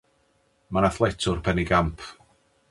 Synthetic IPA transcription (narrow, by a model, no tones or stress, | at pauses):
manaθlˠɛtʰʊrpʰɛniɡampʰ